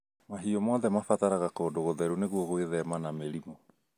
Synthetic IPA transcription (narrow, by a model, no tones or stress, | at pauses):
maɦiɔmɔðɛmafataɾaɣakodoɣoðɛɾuneɣwɔɣweðɛmanameɾimɔ